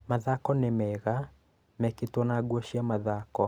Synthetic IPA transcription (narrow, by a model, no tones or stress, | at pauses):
maðakɔnemɛɣa | mɛketonaɡwɔʃiamaðakɔ